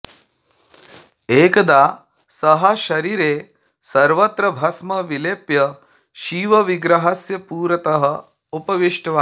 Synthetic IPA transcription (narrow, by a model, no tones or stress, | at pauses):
eːkɐd̪aː | sɐɦɐʃɐɾiːɾeː | sɐɾʋɐt̪ɾɐbʱɐsmɐʋileːpjɐ | ʃiːʋɐʋiɡɾɐɦɐsjɐpuːɾɐt̪ɐɦɐ̆ | upɐʋiʂʈɐʋaː